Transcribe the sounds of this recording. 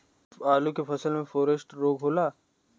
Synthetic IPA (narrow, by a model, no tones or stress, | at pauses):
aːlukefɐsəlmẽfoːɾəsʈɾoːɡɦoːlaː